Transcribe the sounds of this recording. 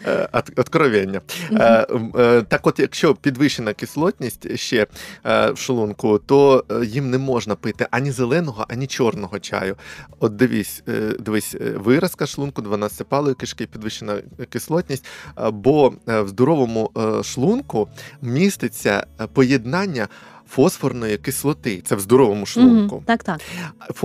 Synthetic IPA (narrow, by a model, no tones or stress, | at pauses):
ɔd̪kɾɔʋʲɛnʲːɐ | t̪ɑkɔt̪jɐkʃt͡ʃɔpʲid̪ʋɪʃenɐkɪslˠɔtʲnʲisʲtʲʃt͡ʃɛ | wʃlˠunkʊt̪ɔjimnɛmɔʒnɐpɪt̪ɪʔɐnʲizelˠɛnɔɦɔʔɐnʲit͡ʃɔrnɔɦɔt͡ʃɑ̰jʊɔt̪̚d̪ɪʋʲisʲd̪ɪʋisʲʋɪɾɐskɐʃlˠunkʊd̪ʋɐnɑsɪpɑlˠɔjʊkɪʃkɪpʲid̪ʋɪʃenɐkɪslˠɔtʲnʲisʲtʲbɔwzd̪ɔɾɔʋɔmʊʃlˠunkʊmʲist̪ɪt͡sʲːɐ̰pɔjed̪nɑnʲːɐ | fɔsfɔrnɔjikɪslˠɔt̪ɪt̪sɛwzd̪ɔɾɔʋɔmʊʃlˠunkʊ̰t̪kt̪f